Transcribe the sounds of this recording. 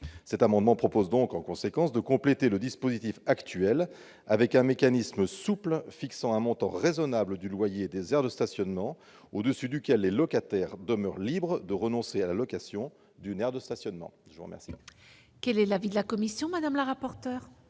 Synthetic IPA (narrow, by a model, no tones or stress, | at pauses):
sɛt̪amɑ̃d̪mɑ̃pχɔpozd̪ɔ̃kɑ̃kɔ̃sekɑ̃sd̪əkɔ̃plet̪eləd̪ispozit̪ifakt̪ɥɛl | avɛkɛ̃mekanisməsuplfiksɑ̃ɛ̃mɔ̃t̪ɑ̰̃ʁezɔnabləd̪ylwajed̪ezɛʁd̪əst̪asjɔnmɑ̃ | od̪əsyd̪ykʲɛlːelɔkat̪ɛʁd̪əmœʁlibʁəd̪əʁənɔ̃sealalɔkasjɔ̃ | d̪ynɛʁd̪əst̪asjɔnmɑ̰̃ʒəvuʁəmʔɛ̰ʁsḭ | kʲɛlɛlavid̪əlakɔmisjɔ̃mad̪amlaʁapɔʁt̪œːʁ